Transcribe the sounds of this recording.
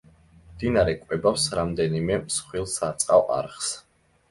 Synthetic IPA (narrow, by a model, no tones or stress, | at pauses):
md̪inaɾɛkʼwɛbapsɾamd̪ɛnimɛmsχwilˠsat̪sʼqʼawʔa̰ɾχs